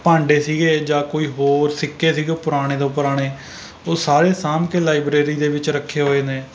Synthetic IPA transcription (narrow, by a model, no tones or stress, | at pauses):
pãːɳɖeːsiːɡeːd͡ʒãːkoːiːɦoːɾsɪkːeːsiːɡeːpʊɾaːɽ̃eːd̪õːpʊɾaːɽ̃eː | oːsaːɾeːsaːmkeːlaːibɾeːɾiːd̪eːʋɪt͡ʃɾəkʰːeːɦoːeːneː